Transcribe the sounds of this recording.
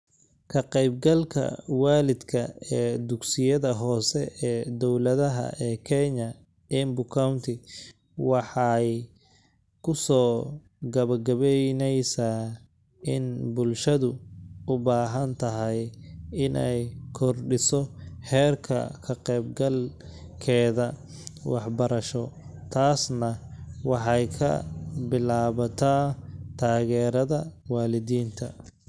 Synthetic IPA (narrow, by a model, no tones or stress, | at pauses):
kʰɐqɛjbɡɐlkʰɐ̰waːlɪd̪kʰɐɛːd̪ʊɡsɪjɐðɐɦɔːsɛɛːd̪ɔwlɐðɐɦɐ̰ʔɛːkʰɛɲɐ | ɛmbʊkʰawnt̪ʰɪ | wɑħɑj | kʰʊsɔː | ɡɐβɐrɡɐβɛjnɛjsaː | ɪnbʊlʃɐðʊʊbaːɦɐnt̪ʰɐɦɛjɪnɛjkʰɔrɖɪsɔħɛːrkʰɐ̰kʰɐqɛːbɡɐlkʰɛːðɐwɑħbɐɾɐʃɔt̪ʰaːsnɐwɑħɑjkʰɐ̰bɪlaːβɐt̪ʰaːt̪ʰaːɣɛːɾɐðɐwɑaːlɪðiːnt̪ʰɐ